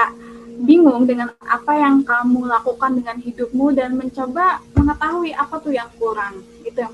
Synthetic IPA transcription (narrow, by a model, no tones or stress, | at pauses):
aʔbiŋʊŋdəŋana̰pajaŋkamulakukandəŋanɦidʊp̚mudanməɲt͡ʃobaməŋət̪aɦuiʔapat̪uhjaŋkuɾaŋ | ɡit̪u